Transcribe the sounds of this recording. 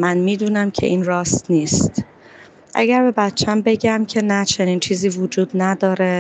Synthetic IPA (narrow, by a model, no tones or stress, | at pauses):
mænmiːd̪uːnæmcʰe̞̰ʔiːnɾɒːst̪niːst̪ | ʔæ̰ɟæɾbe̞bæt̪t͡ʃʰæmbe̞ɟæmcʰe̞næt͡ʃʰe̞niːnt͡ʃʰiːziːvod͡ʒuːd̪̥næd̪ɒːɾe